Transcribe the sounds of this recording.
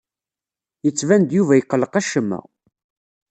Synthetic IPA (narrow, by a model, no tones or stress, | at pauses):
jət͡sːvænd̪juvæjəqːələqæʃəmːæ̰